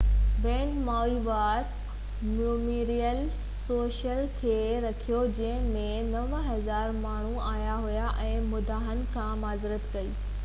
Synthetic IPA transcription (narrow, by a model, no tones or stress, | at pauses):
bɛ̃ːʈmaːiʋaːɾk | muːmiːɾijəl | soːʃəlkʰeːɾɐkʰijod͡ʑɐ̃ɦɪ̃mẽnɐʋɦɐzaːɾmaːɳ̤uaːjaɦujaʔɛ̃ːmʊd̪ʱaːɦən̆kʰãːmaːzɪɾət̪kɐiː